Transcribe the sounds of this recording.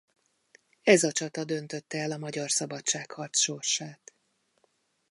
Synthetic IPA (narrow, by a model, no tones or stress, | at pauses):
ɛzɒt͡ʃɒt̪ɒd̪ønt̪ø̞t̪ːɛɛlɒmɒɟɒrsɒbɒt͡ʃaːkhɒrt̪sʃo̞rʃaːt̪